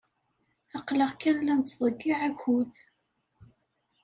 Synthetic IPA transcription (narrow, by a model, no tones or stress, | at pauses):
ɑqləʁkænlæntt͡s̪ːðˤəɡːiʕækuθ